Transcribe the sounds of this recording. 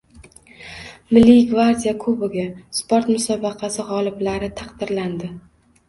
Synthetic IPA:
mɪlːiɡvaɾd̪ʲijakʰɵbɪɡʲaspʰoɾt̪mʊsɒbɑqʰɑsɪʁɒlˠɪblaɾɪt̪ʰɑqd̪ɪɾland̪ɪ

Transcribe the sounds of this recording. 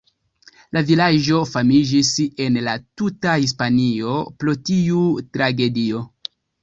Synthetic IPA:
lavilad͡ʒo̞famid͡ʒise̞nlatutahis̬panio̞plotiutɾaɡe̞dio̞

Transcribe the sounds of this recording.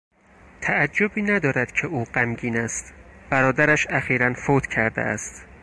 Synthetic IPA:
t̪ʰææd͡ʒːobiːnæd̪ɒːɾæd̪cʰeuːɢæmɟiːnæst̪b̥æɾɒːd̪æɾæʃæxiːɾænfoːt̪ʰcʰæɾd̪ḛæ̰st̪

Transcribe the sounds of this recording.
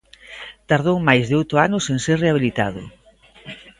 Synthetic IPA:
t̪aɾð̞owmajzðɪowt̪ʊanʊseŋseɾreaβilit̪a̰ðʊ̰

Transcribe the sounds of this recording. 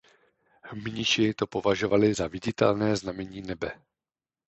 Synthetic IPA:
mɲɪʃɪt̪o̞po̞vaʒo̞valɪzavɪɟɪt̪ɛ̰lnɛːznamɛɲiːnɛbɛ

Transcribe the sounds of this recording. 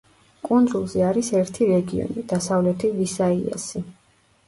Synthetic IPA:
kʼund̪zulˠzɛaɾisɛɾt̪ʰiɾɛɡiɔ̰nid̪̥asavlɛt̪ʰivisaia̰si

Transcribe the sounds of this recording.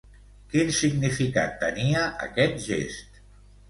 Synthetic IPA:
kinsiɡnifika̰t̪ːəniəʔə̰kɛt̪̚ʒḛst̪

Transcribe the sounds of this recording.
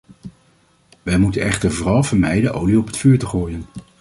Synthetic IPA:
ʋɛjmutənɛχtəɹvʊːrɑlˠvəɹmɛjdəʔowliɔpɦə̥tfyːɹtəχoːjən

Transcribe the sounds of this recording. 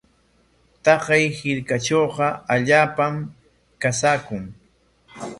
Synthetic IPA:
t̪ɑqɑjhɪɾkat͡ʃoːqɑaʎaːpam | kasaːkʊŋ

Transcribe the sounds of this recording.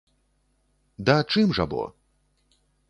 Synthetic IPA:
d̪ɐt͡ʂɨmʐa̰bɔ̰

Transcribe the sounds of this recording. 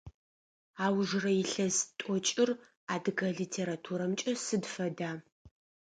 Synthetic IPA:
aːwʒrɐjɪɬɐztʼɔt͡ʃʼɪr | aːdɨɣɐɮiːtʰeːɾatʰuɾɐmt͡ʃʼɐsɨdfɐdaː

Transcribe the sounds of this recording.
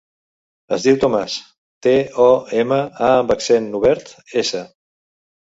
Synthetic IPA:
əzðiwt̪omas | t̪eɔeməaəmbəksɛnuβɛɾt̪esə

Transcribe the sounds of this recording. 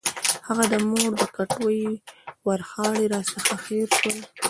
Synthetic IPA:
haɣad̪əmoɽd̪əkaʈwəjwaɾxɑɽeɾɑsəxaxeɾʃwəl

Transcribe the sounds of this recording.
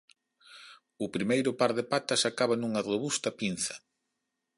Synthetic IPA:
ʊpɾimejɾʊpaɾðɪpat̪ɐsakaβanuŋɐroβust̪ɐpin̟θɐ̥

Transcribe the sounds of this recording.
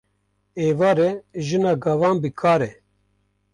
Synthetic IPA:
eːvaːɾɛʒɨnaːɡɐvɑːnbɨkʰaːɾɛ

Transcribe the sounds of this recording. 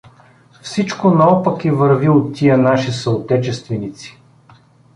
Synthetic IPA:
fsit͡ʃkonɐɔpɐkivɐɾviot̪ʲːijənaʃisəot̪ɛt͡ʃɛst̪vɛnit̪si̥

